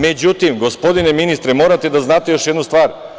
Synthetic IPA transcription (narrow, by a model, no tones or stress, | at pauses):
med͡ʑut̪imɡo̞spo̞d̪ineminist̪ɾemo̞ːɾat̪ed̪aznaːt̪ejo̞ʃje̞d̪nust̪ʋaːɾ